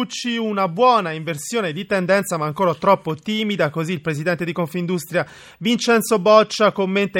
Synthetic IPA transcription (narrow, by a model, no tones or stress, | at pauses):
ut͡ʃːiunabwɔːnaiɱversjoːned̪it̪ɛnd̪ɛnt̪samaːŋkoːɾat̪ɾɔpːot̪iːmid̪akoziːlpɾezid̪ɛnt̪ed̪ikoɱfind̪ust̪ɾja | vint͡ʃɛnsobɔt͡ʃːakomːent̪e